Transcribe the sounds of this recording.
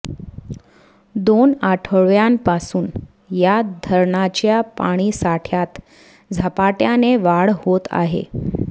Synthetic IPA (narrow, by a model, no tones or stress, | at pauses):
d̪onaʈʰəɭjampasuːn | jad̪ʱəɾɳat͡ɕjapaɽ̃iːsaʈʰjat̪ | d͡zʱapaʈjaneʋaɽhot̪a̰ɦḛ